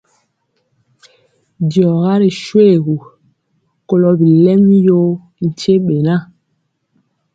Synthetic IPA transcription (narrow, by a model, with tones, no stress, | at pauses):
djɔ˨ɣa˦ɾi˨ʃwe˦˨ɣu˨ | ko˨lɔ˨bi˨lɛ˦mjo˦ | n̩˨t͡ʃe˦ɓe˨na˦˨